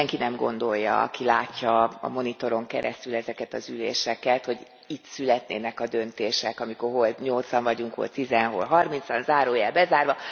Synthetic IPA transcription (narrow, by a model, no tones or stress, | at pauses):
ɛŋkinɛmɡo̞̰nd̪o̞jːɒ̰ɒ̰kilaːcːɒɒ̰mo̞nit̪o̞ɾo̞ŋkɛ̰ɾɛ̰st̪ylɛzɛkɛt̪ɒzylḛːʃɛkɛt̪ho̞ɟ | it̪sylɛt̪nḛːnɛkɒd̪ø̞nt̪eːʃɛkɒmikorɦo̞lɲo̞lt̪sɒɱvɒɟuŋkho̰lt̪izɛnɦo̞̰lɦɒrmint̪sɒnzaːɾoːjɛlbɛzaːrvɒ